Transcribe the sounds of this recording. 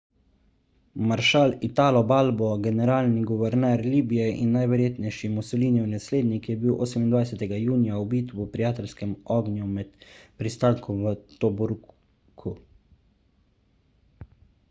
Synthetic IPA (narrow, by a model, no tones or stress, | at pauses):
maɾʃaːlit̪aːlɔbaːlbɔɡɛnɛɾaːlniɡuʋɛɾnɛɾliːbijɛʔḭnːajʋɛɾjeːt̪nɛjʃimusɔliːniwnasleːd̪nikjɛbiwʔoːsɛmind̪ʋajsɛt̪ɛɡajuːnijaubiːt̪wupɾijaːt̪ɛlskɛmɔːɡnjumɛt̪pɾist̪aŋkɔʋət̪ɔbuɾ | kʰu